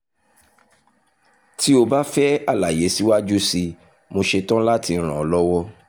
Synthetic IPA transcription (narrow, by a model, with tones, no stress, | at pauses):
ti˦o˧ba˦fɛ˦a˦˨la˨je˨˦si˦wa˦d͡ʒu˦si˧ | mo˧ʃe˧tã˦la˦ti˧˦ɾ̃ã˨ɔ˨lɔ˦wɔ˦